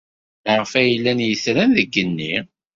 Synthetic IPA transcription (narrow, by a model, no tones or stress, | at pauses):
ʁfæjəlːænjəsɾænðəɡːənːi